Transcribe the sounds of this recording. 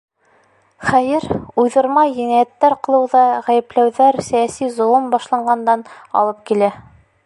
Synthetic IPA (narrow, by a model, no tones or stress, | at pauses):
χæjɘɾujðɤ̆ɾmɑjɘ̆næjæt̪ːæɾqɤ̆lˠɤ̆wðɑʁæjɘ̆plæwðæɾsæjæsizŏlˠɤmbɑʃlˠɑɴɢɑnd̪ɑnɑ̰lˠɤp̚kilæ